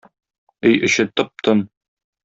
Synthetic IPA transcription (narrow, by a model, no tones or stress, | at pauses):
ɘjɘ̆ɕɘ̆t̪ɤp̚t̪ɤn